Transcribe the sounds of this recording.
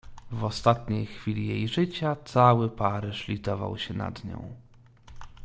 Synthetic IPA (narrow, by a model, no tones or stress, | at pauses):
vɔst̪at̪ɲejxfʲilʲijejʐɘt͡ɕat̪sawɘpaɾɘʂlʲit̪ɔva̰wɕɛna̰d̪ɲɔ̰̃w̃